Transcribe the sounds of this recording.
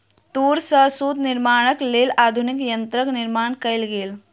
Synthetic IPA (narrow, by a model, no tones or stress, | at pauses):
t̪uːɾsəsuːt̪niɾmaɽ̃əkleːlad̪ʱunikjənt̪ɾəkniɾmaɳkəjlɡeːl